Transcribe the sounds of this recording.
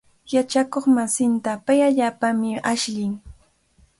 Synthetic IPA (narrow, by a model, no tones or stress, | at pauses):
jat͡ʃakoχmasɪnt̪apajaʎaːpamɪaʃʎɪŋ